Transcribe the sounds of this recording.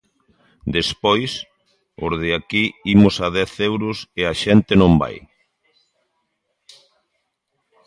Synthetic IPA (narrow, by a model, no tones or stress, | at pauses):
d̪espojs | ʊ̰ɾðɪakiimʊsað̞ɛθɛwɾʊseaʃɛnt̪ɪnõmba̰j